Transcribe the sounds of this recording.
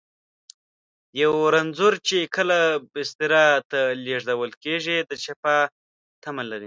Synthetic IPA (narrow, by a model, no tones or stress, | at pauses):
jawɾanzuɾt͡ʃekəlabɪst̪ɪɾɑt̪aleʐd̪awəlkeʐid̪ət͡ʃapa | t̪amalaɾi